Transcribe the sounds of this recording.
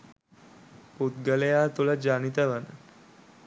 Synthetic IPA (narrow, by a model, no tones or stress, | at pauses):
put̪ɡəlejaːt̪uləd͡ʒanit̪əʋanə